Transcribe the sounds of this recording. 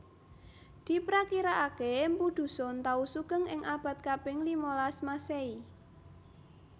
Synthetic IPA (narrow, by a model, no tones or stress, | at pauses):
d̪̥i̤pɾakiɾaʔakempud̪̥ṳsɔnt̪ausuɡ̥əŋɪŋʔab̥a̤t̪̚kabɪŋlimolasmasei